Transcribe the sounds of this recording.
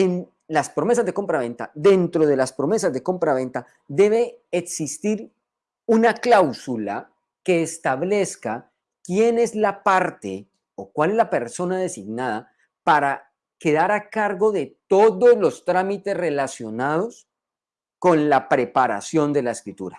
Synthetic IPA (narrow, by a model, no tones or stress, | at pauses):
en | laspɾo̞me̞s̬azd̪e̞ko̞mpɾaβ̞e̞nt̪a̰ðe̞nt̪ɾo̞ð̞e̞laspɾo̞me̞sazd̪e̞ko̞mpɾaβe̞nt̪a | d̪e̞βe̞ːksist̪iɾ | unaklawsula | ke̞ːst̪aβle̞ska | kje̞ne̞zlapaɾt̪e̞ | okwale̞zlape̞ɾso̞naðe̞siɡnaða | paɾa | ke̞ðaɾakaɾɡo̞ðe̞t̪o̞ðo̞zlo̞st̪ɾamit̪e̞sre̞lasjo̞nað̞o̞s | ko̞nlapɾe̞paɾa̰sjo̞nd̪e̞laeskɾit̪uɾa